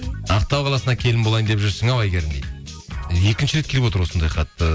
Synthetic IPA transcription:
ɑqt̪ɑwqʰɑlˠɑsənɑkʲʰe̞lɪnmbolˠɑjnd̪eʒʏɾsɪŋɑwɑjɡʲeɾɪnd̪ej | je̞kʲɪnʃɪɾekʲʰe̞lɪpwoəɾwo̞sənd̪ɑjqʰɑt̪ːə

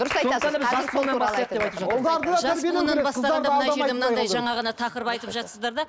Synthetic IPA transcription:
d̪ʊɾəsɑj̪ʒɑsponɑbɑsqd̪d̪eɑjt̪əʒɑɑɾd̪ʒæsɾeenɑnbɑsɑd̪mɪmənɑd̪ɑjʒɑɴɑʁɑnɑt̪ʰɑqəɾəpɑjt̪əpʒɑt̪səzd̪ɑɾd̪ɑ

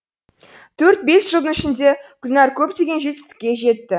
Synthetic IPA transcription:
t̪ʰɵɾt̪̚be̞sʒ̥əlˠd̪ənɪʃɪnd̪e̞kʲʰʏlʲnɑɾkʲʰɵp̚t̪e̞ɡʲe̞nʒe̞t̪ɪ̥st̪ɪ̥kʲːe̞ʒe̞t̪ːɪ

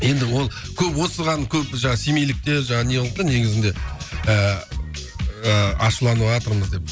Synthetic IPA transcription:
je̞nd̪ɪwo̞lˠkʲʰɵpwo̞səʁɑnkʲʰɵpʒɑɴɑsemejlɪk̚t̪e̞ɾʒɑɴɑnejlˠəq̚t̪əne̞ɡʲɪzɪnd̪e̞ə | əɑʃəlˠɑnuɑt̪əɾməzd̪e̞p̚

